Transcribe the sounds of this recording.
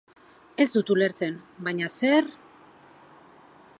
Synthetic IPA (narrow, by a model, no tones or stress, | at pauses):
e̞zd̪ut̪ule̞ɾt͡se̞nbajɲase̞ɾ